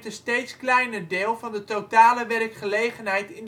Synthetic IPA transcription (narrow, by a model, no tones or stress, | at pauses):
təstejtsklɛjnərdɪːlˠvɑndətowtaːləʋɛrkχəlejχənɦɛjtɪn